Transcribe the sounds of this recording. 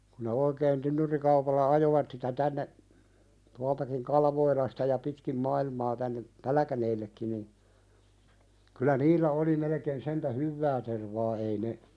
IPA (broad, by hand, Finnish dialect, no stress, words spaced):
ku ne oikeːn tynːyrikɑupɑlːɑ ɑjoʋɑt sitæ tænːe tuɑltɑkiŋ kɑlʋoilɑstɑ jɑ pitkim mɑilmɑː tænːe pælkæneːlːekːin nin kylæ niːlːæ oli melekeːn sentæ hyʋːæː terʋɑː ei ne